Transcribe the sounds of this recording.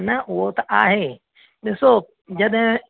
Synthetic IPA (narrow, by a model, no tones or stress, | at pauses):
nɐʔʊɦot̪ɐʔaːɦeː | ɗɪso | d͡ʑɐɗɦɪ̃